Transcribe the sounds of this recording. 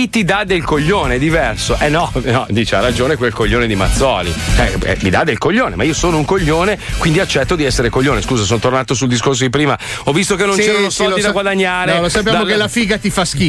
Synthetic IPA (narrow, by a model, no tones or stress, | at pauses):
it̪id̪ad̪elkoʎːoːned̪ivɛrsoʔɛnːɔnɔd̪iːt͡ʃea̰rad͡ʒoːnekwelkoʎːoːned̪ima̰t̪sːɔːlḭt͡ʃɛɛ̰mid̪ad̪elkoʎːoːnemaiːosoːnouŋkoʎːoːnekwind̪iat͡ʃːɛt̪ːod̪iɛsːeɾekoʎːoːneskuːzasoːnt̪ornaːt̪osuld̪is̬kors̬od̪ip̬ɾiːma | ɔvːist̪okenːont͡ʃɛːanost̪ɔid̪aaɡwad̪aɲːaːɾnelosappjad̪amokelafiːɡat̪ifaski